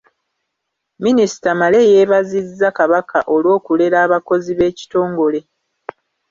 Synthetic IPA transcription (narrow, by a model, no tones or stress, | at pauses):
minisi̥tamale̞je̞ːβazizːakaβakʰaʔo̞lwo̞ːkule̞ɾaːβako̞ziβe̞ːci̥to̞ːŋɡo̞le̞